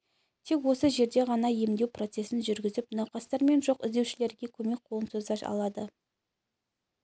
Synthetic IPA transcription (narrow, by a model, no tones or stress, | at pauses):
t̪ʰe̞kwo̞səʒe̞ɾd̪e̞ʁɑnɑje̞md̪e̞wpro̞t̪se̞sɪnʒʏɾɡʲɪzɪpnɑwqɑst̪ɑɾme̞nʒo̞qɪ̰zd̪e̞wʃɪle̞ɾɡʲe̞kʲʰɵme̞k̚ʲqʰo̞ənsozd̪ɑʃɑ̰lˠɑd̪ə